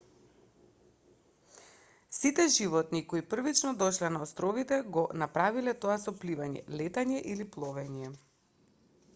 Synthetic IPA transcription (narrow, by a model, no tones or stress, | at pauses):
sit̪ɛʒivɔt̪nikoipr̩vit͡ʃnɔd̪ɔʃlɛnaɔst̪ɾɔvit̪ɛɡɔnapɾavilɛt̪ɔasɔplivaɲɛ̰lɛt̪aɲɛʔiliplˠɔvɛɲɛ